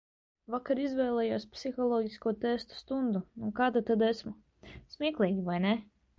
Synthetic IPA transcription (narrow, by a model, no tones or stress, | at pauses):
vakaɾizvɛːlˠɛːjuɔspsixɔlˠɔːɡʲiskuɔt̪ɛst̪u̥st̪und̪unuɔkaːd̪at̪ad̪ɛsmu | smʲiːklˠɛːɡʲivajnɛ